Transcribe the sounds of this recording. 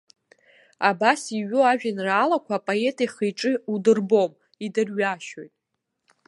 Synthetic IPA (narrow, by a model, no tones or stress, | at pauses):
abasiɥoaʒᶣanraːlakʷʰapʼoe̞tʼajχejʈ͡ʂʼɨudɨrbo̞m | idɨrɥaʃo̞jtʼ